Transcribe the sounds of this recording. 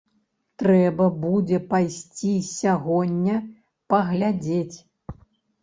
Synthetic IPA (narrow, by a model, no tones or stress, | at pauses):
t̪ɾɛbɐbud͡zʲɛpajsʲt͡sʲisʲaɣɔnʲːɐ | pɐɣlʲad͡zʲet͡sʲ